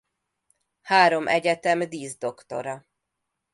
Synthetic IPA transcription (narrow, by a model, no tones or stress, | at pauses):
haːɾo̞mʔɛɟɛt̪ɛmd̪iːzd̪o̞kt̪o̞̰ɾɒ